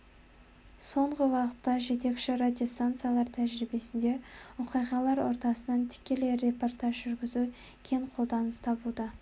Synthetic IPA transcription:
so̞ɴʁəwɑqə̥t̪ːɑʒe̞t̪e̞kʃɪrad̪ʲio̞st̪ant̪sɨjalˠɑɾt̪ʰæʒɾibe̞sɪnd̪e̞ʊqijʁɑlˠɑɾwo̞̰ɾt̪ɑsənɑnt̪ʰɪ̥kʲːe̞leɾe̞po̞rt̪aʒʒʏɾɡʲɪzu | kʲʰe̞ɴqʰolˠd̪ɑnəst̪ʰɑbud̪ə

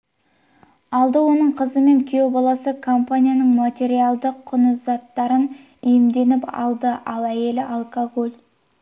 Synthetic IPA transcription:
ɑlˠd̪əwo̞nəɴqʰəzəme̞ŋkʲʰijo̞bɑlˠɑsəkʰo̞mpanʲijanəɴmat̪ʲe̞ɾijalˠd̪əqʰːʊnəzɑt̪ːɑɾən | ʏjɪmd̪e̞nɪpɑ̰lˠd̪əʔɑlˠæje̞lɪʔalˠkoɡolʲ

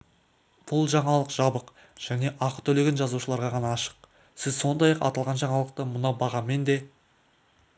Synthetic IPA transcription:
b̥ʊlˠʒɑɴɑlˠəqʒ̥ɑbəq | ʒ̥æne̞ʔɑqət̪ʰɵle̞ɡʲenʒɑzuʃəlˠɑɾʁɑʁɑnɑːʃə̥q | sɪzso̞nd̪ɑjɑqɑ̰t̪ɑlˠʁɑnʒɑɴɑlˠəq̚t̪əmʊnɑbɑʁɑme̞nd̪e̞

